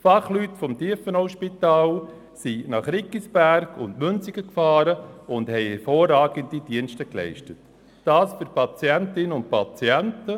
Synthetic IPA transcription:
fɑχlyːtfɔmdiəfənɔʊʃpitɑːl | sinɑχɾɪkːisb̥æɾkʰʊntmʏnt͡siɡəkfɑːɾəʊndhɛɪhɛɾfoːrɑːɡəndid̥iənʃtəklɛ̰ɪʃtətː | ɑːsføɾpʰɑt͡siɛntɪnːəʊn̚pʰɑt͡sijɛntə

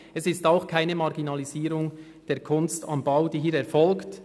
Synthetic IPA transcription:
ɛsɪstaʊxkʰaɪnəmɑʁɡinɑliziːɾʊŋ | d̥eːɐkʰʊnstɑ̰mbaʊd̥iːɦiːɾɛɾfɔlkt

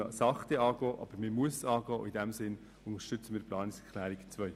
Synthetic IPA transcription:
sɑχt̪ɛɑːɡ̥ɔːʔɑ̰b̥əɾməmuəsɑːɡɔːʔidɛmsɪn | ʊnəʃtʏt͡səmiːɾplɑːnɪkskʰlæːɾɪkt͡svœʏ

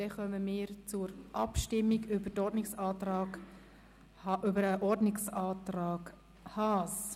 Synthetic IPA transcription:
d̥ɛχœməmɪːɾt͡sʊɾʔɑ̰pʃtɪmːiɡʏbətɔɾdnɪksɑːtɾɑːk | ɑʔʏbəɾəʔɔɾdnɪksɑːt̪rɑːɡ | hɑːs

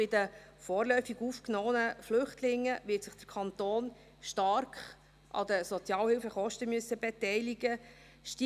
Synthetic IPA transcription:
ɪdəfɔːrlœʏfiɡuːfknoːnəflʏχtlɪŋːəʋɪtsɪχd̥əɾkʰɑnt̪oːn | ʃtɑɾkχ | ʔɑ̰d̪əsɔt͡sjɑːlhɪlfəχɔʃtəmyəsːəbɛtɛɪliɡə | ʃti

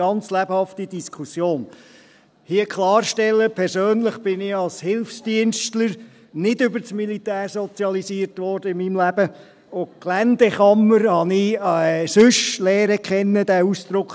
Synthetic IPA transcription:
ɑnt͡slæb̥hɑft̪id̥iskʰusjoːn | hiəkχlɑːɾʃtɛlːəpʰɛɾsøːnləχb̥ɪnɪɑlshɪlfsd̥iənʃtləɾ | nɪdʏbəɾt͡smilitæːɾsɔt͡sjɑlisiəɾtʋɔɾd̥əɪmimlæb̥ə | oklænd̥̪ɛχɑmːəɾhɑnɪsʏʃlɛːɾəkχɛnːəd̪æusd̪̥ɾʊkχ

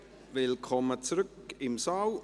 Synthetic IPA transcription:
vɪlkʰɔmət͡sɾʏkɪmsaʊ

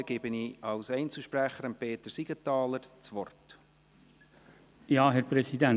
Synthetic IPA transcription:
əɡ̥ɪb̥əniɑwsɛɪnt͡sl̩ʃpræχəɾəmpeːt̪əsiɡ̥ət̪ɑːləɾt͡sʋɔrt | jɑːɦɛɾpɾɛsidæn

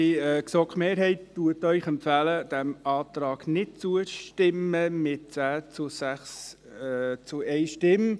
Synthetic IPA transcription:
iɛːksɔkχmeːɾɦɛɪtːuətœʏχɛmpfæləd̥æmɑːt̪ɾɑːɡ̥nɪt̚t͡suəʃtɪməmɪt̚t͡sæːt͡sʊsæχs | t͡sʊɛɪʃtɪm

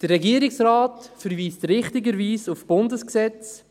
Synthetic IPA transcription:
d̥ərːɛɡiːəɾɪksɾaːtfəɾviːstɾɪχtɪɡəɾviːsufb̥ʊndəsksɛt͡s

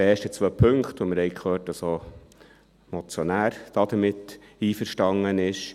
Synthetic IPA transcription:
eːʃtət͡sʋœpʰɵŋkt̪ʋɔmɪɾhɛɪkʰχøːt̚d̥ɑso | mɔt͡sjɔnæːɾd̥ɑːd̪əɾmɪtːiːfəɾʃtɑŋənɪʃ

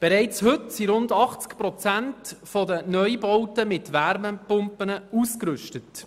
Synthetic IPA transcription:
b̥ɛɾɛɪt͡shʏtsiɾʊndɑχt͡skpɾɔt͡sæntfɔdənœʏbɔwtəmɪtʋæɾməpʊmpənəuːskɾʏʃtət

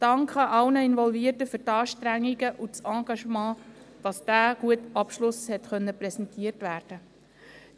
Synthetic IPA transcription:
d̥ɑŋkχəʔɑlnəɪnvɔlviərtəfɵɾtɑːʃtɾæŋːiɡəʔut͡sɑ̃ːɡ̥ɑʃmɑ̃ː | d̥ɑsd̥æːɡ̥uətɑpʃlʊshɛtχœnːəpɾɛsɛntiːərtvæːɾd̥ə

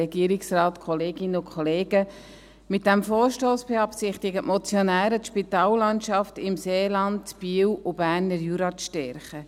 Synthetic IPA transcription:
ɛɡiəɾɪksrɑːtkʰɔleːɡɪnəʊkʰχɔleːɡə | mɪt̚d̥æmfoːɾʃtoːsb̥ɛɑpsɪχtɪɡətmɔt͡sjɔnæːɾətʃpitɑːlːɑntʃɑftɪmseːlɑntb̥iːwʊbæːɾnəɾjuːɾɑt͡sʃtɛɾχə

